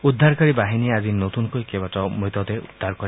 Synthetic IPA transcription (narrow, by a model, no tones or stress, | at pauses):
ud̪ʱːaɾkɔɾibaɦiniad͡ʒinot̪uŋkuekebatɔmit̪ɔt̪eud̪ʱːaɾkɔɾi